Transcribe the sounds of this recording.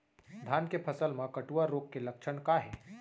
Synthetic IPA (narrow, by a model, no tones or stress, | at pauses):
d̪ʱaːnkepʰəsəlmãkəʈuaɾːoːɡ̚kelɐkʃʰəɳkaɦɛː